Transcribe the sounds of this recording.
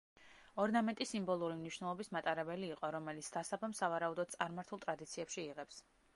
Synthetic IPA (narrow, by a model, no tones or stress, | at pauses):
ɔɾnamɛnt̪ʼisimbɔlˠuɾimniʃwnɛlˠɔbismat̪ʼaɾɛbɛliːqʼɔɾɔmɛlit̪sʰd̪̥asabamsavaɾaud̪ɔd̪̥̚t̪sʼaɾmaɾt̪ʰulˠt̪ʼɾad̪it̪sʰiɛpʃiːʁɛps